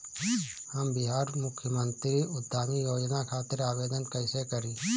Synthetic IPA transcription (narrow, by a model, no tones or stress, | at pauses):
həmbɪɦaːɾmʊkʰjəmə̃nt̪ɾiʊd̪ʱːaːmijoːd͡ʒnakʰaːt̪ɪɾaːʋeːd̪ənkəɪsekəɾiː